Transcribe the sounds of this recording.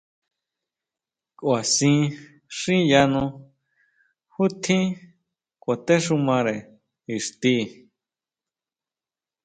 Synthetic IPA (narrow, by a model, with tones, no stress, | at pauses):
kʼwa˨sĩ˧ | ʂĩ˦ja˧nũ˧ | hu˦t̪ʰĩ˦ | kʷʼa˨t̪e˦ʂũ˧mã˧ɾe˨ | i˨ʂt̪i˧˨